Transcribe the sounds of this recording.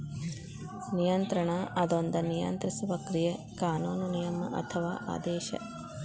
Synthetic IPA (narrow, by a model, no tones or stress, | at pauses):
nijɐnt̪ɾɐɳɐʔɐd̪ond̪ɐnijɐ̰nt̪ɾisuʋɐkɾijekaːnuːnunijɐmɐ̰ʔɐ̰t̪ʰɐʋaːʔa̰ːd̪eːʃɐ̰